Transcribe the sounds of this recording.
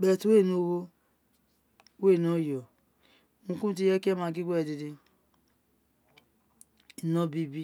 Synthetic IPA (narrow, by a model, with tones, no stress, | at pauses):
bɛ˨twe˦˨no˨˦wo˦ | we˦˨no˦˨jɔ˨ | ũ˧ku˦t̬i˦jɛ˦ke˦mã˧˦ɡi˦ɡ͡bɛ˦˨di˧di˧ | i˨nɔ˦bi˦bi˦